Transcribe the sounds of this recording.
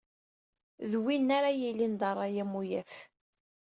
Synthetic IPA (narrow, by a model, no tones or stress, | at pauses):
ðwinːaɾajilːind̪ɑrˤːɑjæmujæθ